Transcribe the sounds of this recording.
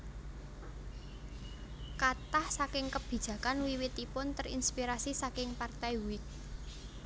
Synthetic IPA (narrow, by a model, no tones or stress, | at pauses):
kat̪ahsakɪŋkəb̥i̤d̥ʒ̥ä̤kanwiwit̪ipʊnt̪ərḭnspiɾasisakɪŋpart̪ajwɪk̚